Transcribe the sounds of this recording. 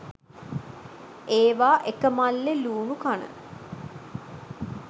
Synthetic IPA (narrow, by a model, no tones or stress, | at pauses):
eːʋaːʔekəmalːeluːnukanə̰